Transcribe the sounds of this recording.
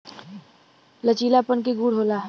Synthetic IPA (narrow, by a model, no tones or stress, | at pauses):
lət͡ʃiːlapəɳk̬eɡuːɽɦoːlaɦ